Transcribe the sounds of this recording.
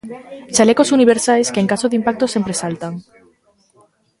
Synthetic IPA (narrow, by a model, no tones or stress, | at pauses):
t͡ʃalekosuniβ̞eɾsajskeŋkasoðimpak̚t̪osempɾesalt̪aŋ